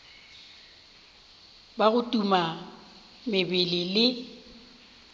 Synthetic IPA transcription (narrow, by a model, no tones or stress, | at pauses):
baɣʊtʼuma | mɪbɪlɪlɪ